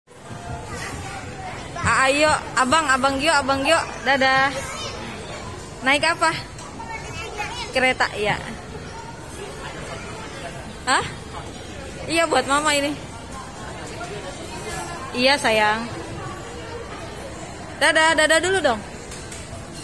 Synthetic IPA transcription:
aːijoabaŋabaŋɡioabaŋɡiɔdada | naɪkapa | kəɾet̪a̰ʔija̰ | əh | ijabuat̪̚mamaini | ijasajaŋ | dadadadaduludɔŋ

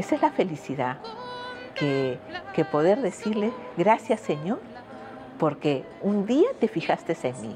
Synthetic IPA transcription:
esezlafe̞lisiða | kekepo̞ðe̞ɾðe̞siɾle̞ɣɾasjasːe̞ɲo̞ɾ | po̞ɾke | und̪iat̪e̞fixast̪esenmḭ

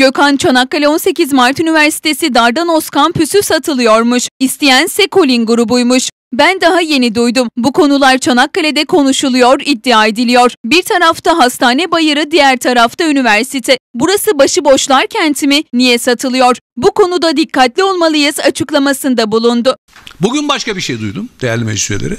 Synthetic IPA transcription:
j̥økʰant͡ʃʰanakːalʲɛo̞nse̞cizmaɾt̪ynivæɾsi̥t̪ʰe̞sid̪aɾd̪ano̞skanpʰysyfsat̪ʰɯlˠɯjo̞ɾmuʃist̪ʰijænsɛkʰo̞lʲinɡuɾubujmuʃ | bænd̪aɦaje̞nid̪ujd̪umbukʰo̞nulˠaɾt͡ʃʰanakːalʲɛd̪ɛkʰo̞nuʃulˠujo̞ɾid̪ːiaːe̞d̪ilʲijo̞ɾ̥biɾt̪ʰaɾaft̪ʰaɦast̪ʰaːnɛbajɯɾɯd̪ijæɾt̪ʰaɾaft̪ʰaynivæɾsit̪ʰɛbuɾasɯbaʃɯbo̞ʃlˠaɾcʰɛnt̪ʰiminijɛsat̪ʰɯlˠɯjo̞ɾ̥buko̞nud̪ad̪ikːat̪lʲio̞lˠmalˠɯjɯzat͡ʃʰɯklˠamasɯnd̪abulˠund̪ʊ | buɟynbaʃkabiʃejd̪ujd̪umd̪ejæɾlʲimḛd͡ʒsyɾḛlʲḛɾɪ

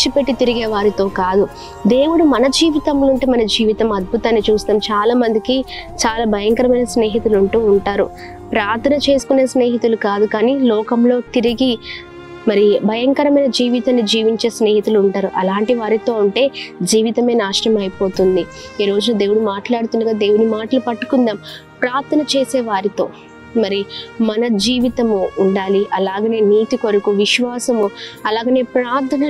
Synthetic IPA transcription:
t͡ʃipeʈːit̪iɾiɡeːʋaːɾit̪o̞ːkaːd̪u | d̪e̞ːwuɽumɐnɐd͡ʒiːʋit̪ɐmloːuɳʈeːmɐnɐd͡ʒiːʋit̪ɐmɐd̪̚bʱut̪ɐaːnːit͡ʃuːst̪ɐːmt͡ʃaːlaːmɐnd̪ikit͡ʃaːlaːbʱɐjɐŋkɐɾɐmɐjnɐsne̞ːɦit̪uluɳʈuːuɳʈaːɾu | pɾaːɾt̪ʰɐnɐt͡ʃe̞ːsu̥kune̞ːsneːɦit̪ulukaːd̪ukaːniːlɔːkɐmlo̞ːt̪iɾiɡi | mɐɾibʱɐjɐŋkɐɾɐmɐjnɐd͡ʒiːʋit̪aːnːid͡ʒiːʋiɲt͡ʃe̞ːsne̞ːɦit̪uluːɳʈaːɾuʔɐlaːɳʈiʋaːɾit̪o̞ːuɳʈe̞ːd͡ʒiːʋit̪ɐme̞ːnaːʂʈɐmɐjipo̞ːt̪und̪i | iːɾo̞ːd͡ʒunɐd̪eːwuɽumaːʈlaːɽut̪und̪uɡaːd̪e̞ːwuɽumaːʈɐlupɐʈːu̥kund̪aːm | pɾaːɾt̪ʰɐnɐt͡ʃeːseːʋaːɾit̪o̞ː | mɐɾimɐnɐd͡ʒiːʋit̪ɐmuːɳɖaːliʔɐlaːɡɐne̞ːniːt̪iko̞ɾukuʋiʃʋaːsɐmuɐlaːɡɐːne̞ːpɾaːɾt̪ʰɐnɐ

